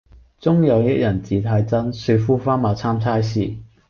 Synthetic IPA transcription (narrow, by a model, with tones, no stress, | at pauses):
t͡sʊ˥ŋjɐ˨˧wjɐ˥t̚jɐ˨˩nt͡siː˨˧t̪ʰaː˧jt͡sɐ˥nsɵ˧fuː˥faː˥nmaː˨˧wt͡sʰaː˥mt͡sʰaː˥jsḭː˨˧